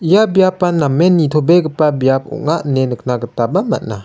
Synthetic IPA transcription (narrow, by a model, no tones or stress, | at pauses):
ijabijapːanamːenit̪ʰobeɡɯpabijap̚ɔ̰ʔ̚ŋaʔnenɯk̚naɡətabama̰t̚na